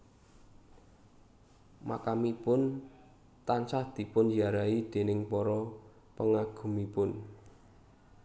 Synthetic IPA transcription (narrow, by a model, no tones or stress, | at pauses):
ma̰kamipʊn | t̪ant͡ʃahd̪̥i̤pʊnjaɾaid̪̥e̤nɪŋpɔɾɔ | pəŋaɡ̥ṳmipʊn